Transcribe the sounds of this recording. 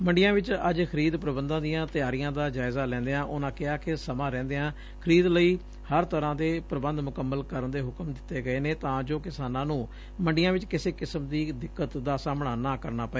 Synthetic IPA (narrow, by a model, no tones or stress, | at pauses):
mə̃ɳɖɪjãːʋɪt͡ʃəd͡ʒkʰəɾiːd̪pɾəbənd̪ãːd̪ijãːt̪ɪjaːɾijãːd̪aːd͡ʒaːɪzaːlɛ̃ːnd̪eːãːʔʊːnãːkɪaːkɪsəmãːɾɛ̃ːnd̪eːãː | kʰəɾiːd̪ləiː | həɾt̪əɾãːd̪eːpɾəbənd̪mʊkəmːəlkəɾənd̪eːɦʊkəmd̪ɪt̪ːeːɡəeːneːt̪ãːd͡ʒoːkɪsaːnãːnũː | məɳɖɪjãːʋɪt͡ʃkɪseːkɪsəmd̪iːd̪ɪkːət̪d̪aːsaːmɳaːnãːkəɾnaːpəe